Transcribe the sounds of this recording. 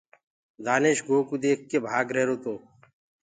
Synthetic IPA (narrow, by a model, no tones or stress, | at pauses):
d̪aːneːʃɡoːkuːd̪eːk̚ʰːeːbʱaːɡɾeːɾoːt̪oː